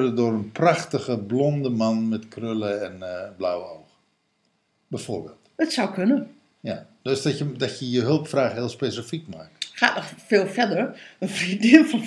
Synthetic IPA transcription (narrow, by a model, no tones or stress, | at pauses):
rədʊrənpraxtəɣəblɔndəmanmɛtkrøləɛnblawəowxə | bɛjfoːrbeːlˠtətsawkʰønə | jadøsdɔtjədɔtjəjəɦølˠpfraːxhɪːlˠspesifikmaːk̚txaːtnɔxfeːlˠfɛdəɹənfridiːəlˠfɔn